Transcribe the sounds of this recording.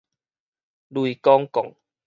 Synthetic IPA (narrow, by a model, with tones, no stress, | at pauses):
lwi˨kɔ˦ŋkɔ̰˨ŋ